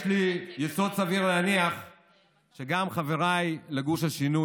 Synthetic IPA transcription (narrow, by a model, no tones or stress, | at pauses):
ʃlijeso̞d̪saviʁleaniaχ | ʃeɡamχaveʁajleɡuʃhaʃinu